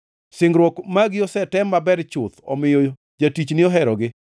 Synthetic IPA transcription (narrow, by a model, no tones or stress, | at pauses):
sɪŋɡɾwɔkmaɡɪɔsɛtɛmːabɛɾt͡ʃʊt̪ɔ̰mɪjo | d͡ʒatit͡ʃnɪɔɦɛɾɔɡɪ